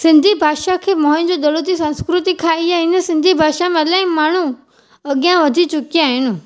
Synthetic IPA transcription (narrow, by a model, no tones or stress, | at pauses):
sɪ̃nd̪ʱibʱaːʃakʰeːmɔ̃̆ːd͡ʑoːd̪ɐlot̪isɐ̃nskɾʊt̪ikʰaːiaːɦɪnə̆sɪ̃nd̪ʱibʱaːʃamẽɐlãːɪ̃maːɳ̤u | ɐɠijãʋɐd̪ʱit͡ɕʊkiaːɦɪnɪ̆